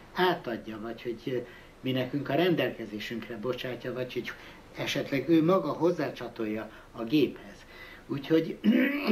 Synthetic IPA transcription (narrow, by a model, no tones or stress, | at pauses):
aːt̪ɒɟːɒvɒcho̞ɟ | minɛkyŋkɒɾɛnd̪ɛlkɛzeːʃyŋkrɛbo̞t͡ʃaːcːɒvɒchoɟ | ɛʃɛt̪lɛɡøːmɒɡɒɦo̞zːaːt͡ʃɒt̪o̞jːɒː | ɡeːphɛz̥ | uːcho̞ɟ